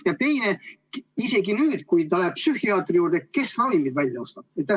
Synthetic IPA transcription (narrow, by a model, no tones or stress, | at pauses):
jɑt̪e̞jne̞ | ise̞ɡinyːd̪̥kujt̪ɑlæ̥psyhiɑːt̪ːˑrijuːrd̪eke̞srɑvimid̪vælʲjɑo̞st̪ɑb̥et̪ːɑ